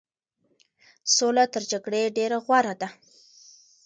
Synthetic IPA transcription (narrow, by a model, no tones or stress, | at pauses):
solat̪əɾd͡ʒaɡɽeɖeɾaɣwaɾad̪a